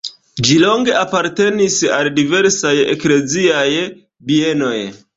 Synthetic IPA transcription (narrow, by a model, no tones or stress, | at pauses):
d͡ʒilo̞ŋɡe̞ʔapaɾte̞nisaldive̞ɾsaje̞̰kle̞ziaj | bie̞no̞j